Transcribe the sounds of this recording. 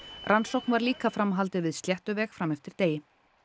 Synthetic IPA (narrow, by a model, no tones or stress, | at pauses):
rʔansowknvaɾliːkafɾamɦalt̪ɪvɪðst̪ljɛht̪ʏvɛːxfɾamɛft̪ɪɾ̥t̪eːjɪ